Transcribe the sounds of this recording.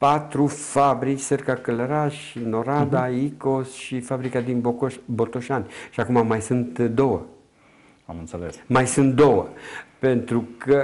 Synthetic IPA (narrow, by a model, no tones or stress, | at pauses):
pat̪ɾufabɾit͡ʃʲserkakələɾaʃ | no̞ɾad̪aiko̞sʃifabɾikad̪inbot̪oʃanʲʃiakumamajsɨnt̪d̪o̞wə | a̰mɨnt̪selḛsmajsɨnt̪̚d̪o̞wəpe̞nt̪ɾukə